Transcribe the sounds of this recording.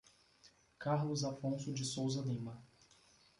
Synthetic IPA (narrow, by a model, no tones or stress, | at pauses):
kaɾlʊzafõsʊd͡ʒɪsowzɐlĩmɐ